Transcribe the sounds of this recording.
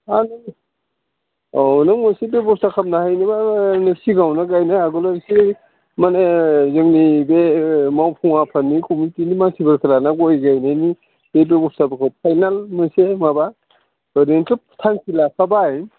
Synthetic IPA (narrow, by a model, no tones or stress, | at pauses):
ani | ɔnamɔsebebɔpstakʰap̚nahajnibanesiɡawnaɡajnaaɡɔlaɾsi | manezɯŋnibemawpʰuŋapʰanːikʰumitinimaŋsʰibɯɾkʰɯlanaɡɔjɡajnajni | b̥ebebɔpstabɯkʰɯpʰajnalmɯsemaba | bəɾentɯptʰaŋkʰilapʰabaj